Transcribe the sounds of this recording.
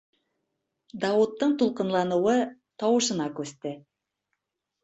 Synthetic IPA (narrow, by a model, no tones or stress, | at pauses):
d̪ɑwut̪ːɤɴt̪ulˠqɤ̆nlˠɑnɤ̆wɤ | t̪ɑwɤ̆ʃɤ̆nɑkʉst̪ɘ